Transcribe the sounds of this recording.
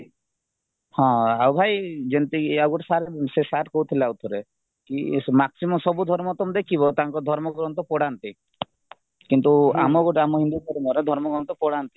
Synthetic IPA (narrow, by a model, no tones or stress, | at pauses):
hɔ̃awbʱajd͡ʒent̪iawɡɔʈsaɾsesaʈkɔwt̪ʰileawt̪ʰɔɾe | kimaksimɔmsɔbud̪ʱɔɾmɔt̪ɔmd̪ekʰiβɔt̪aŋkɔd̪ʱɔɾmɔɡɾɔnt̪ɔpɔɽant̪i | kint̪ua̰mɔɡɔʈamɔɦind̪ukɔɾimɔɾed̪ʱɔɾmɔɡɾɔnt̪ɔpɔɽant̪i̥